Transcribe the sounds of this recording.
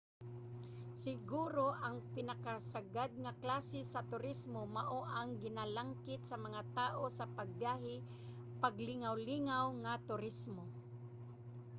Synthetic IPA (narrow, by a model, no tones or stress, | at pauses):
sɪɡuːɾoʔaŋpɪnakasaɡad̪̚ŋaklaːsɪsat̪ʊɾɪsmomaʔoʔaŋɡɪnalaŋkɪt̪samaŋat̪aːʔosapaɡ̚bjaːɦɪ | paɡlɪŋawliŋawŋat̪ʊɾɪsmo